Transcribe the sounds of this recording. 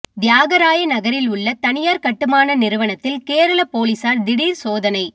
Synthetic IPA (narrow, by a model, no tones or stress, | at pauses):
d̪ɪjaːɣɐɾaːjɐnɐɣɐɾɪlʊɭːɐt̪ɐnɪjaːɾkɐʈːɯmaːnɐnɪɾɯʋɐnɐt̪ːɪlkeːɾɐlɐpoːlisaːɾd̪ɪɽiːɾsoːðɐnɐɪ